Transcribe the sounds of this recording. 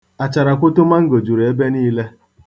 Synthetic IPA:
a˨t͡ʃa˨ɾa˨kʷʊ˦tʊ˦ma˦ŋ̩˦ɡo˨d͡ʒu˨ɾe˦be˦niː˦le˦

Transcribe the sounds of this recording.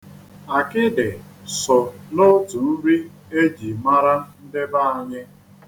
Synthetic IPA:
a˨kɪ˦dɪ˨sɔ˨no˦tu˨n̩˦ɾi˦ | e˦d͡ʒi˨ma˦ɾa˦n̩˦dɪ˦ba˦˨a˨ɲɪ˦

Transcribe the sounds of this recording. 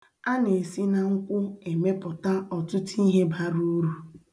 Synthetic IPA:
a˦ne˨si˦na˨ŋ̩˦kʷʊ˦e˨me˦pʊ˨ta˦ɔ˨tʊ˦ti˦ɦe˦ba˦ɾu˦ɾu˨

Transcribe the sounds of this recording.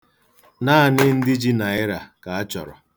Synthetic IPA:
naː˦˨nɪ˦n̩˦dɪ˦d͡ʒi˦na˨ɪ˦ɾa˨ka˨a˦t͡ʃɔ̰˨ɾɔ̰˨

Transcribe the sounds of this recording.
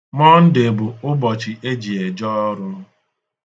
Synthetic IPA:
mɔ˦n̩˦de˨bʊ˨ʊ˦bɔ˨t͡ʃi˨ʔe˦d͡ʒi˨e˨d͡ʒɔ˦ɾʊ˦

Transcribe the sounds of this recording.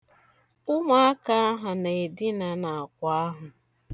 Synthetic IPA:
ʊ˦ma˦a˦ka˦a˦ɦa˨ne˨e˨dɪ˦na˨na˨a˨kʷa˦a˦ɦʊ˨

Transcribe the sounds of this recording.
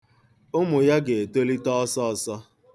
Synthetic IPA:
ʊ˦mʊ˨ja˦ɡe˨e˨to˦li˦tɔ˦ɔ˦sɔ˦˨sɔ˦

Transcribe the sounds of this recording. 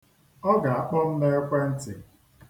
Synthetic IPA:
ɔ˦ɡa˨a˨k͡pɔ˦n̩˦ne˦kʷe˦n̩˦ti˨

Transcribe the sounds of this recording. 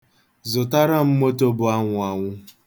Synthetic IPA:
zʊ˨ta˦ɾa˦m̩˦mo˦to˦bʊ˨a˦ŋʷʊ˨a˨ŋʷʊ˦

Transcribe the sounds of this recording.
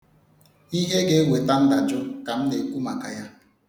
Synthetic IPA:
i˦ɦe˦ɡe˦we˨ta˦n̩˦da˨d͡ʒʊ˦ka˨m̩˦ne˨ku˦ma˨ka˨ja˦

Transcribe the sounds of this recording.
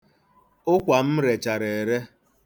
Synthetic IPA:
ʊ˦kʷa˨m̩˦ɾe˨t͡ʃa˨ɾe˨e˨ɾe˦

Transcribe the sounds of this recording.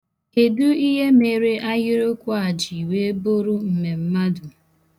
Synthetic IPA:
e˨du˦i˦ɦe˦me˨ɾe˦ʔa˦jɪ˦ɾo˦kʷʊ˦a˨d͡ʒi˨i˨we˦bo˦ɾʊ˦m̩˨me˨m̩˦ma˦du˨

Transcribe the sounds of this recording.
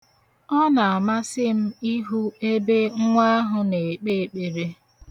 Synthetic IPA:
ɔ˦na˨a˨ma˦sɪ˦m̩˦i˦ɦu˦e˦be˦ŋ̩˦ŋʷa˦a˦ɦʊ˨ne˨k͡pe˦e˨k͡pe˨ɾe˦

